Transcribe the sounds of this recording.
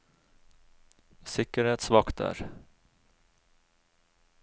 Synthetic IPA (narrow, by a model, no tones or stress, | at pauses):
sɪkəɾheːt̪svakt̪æ̰ːɾ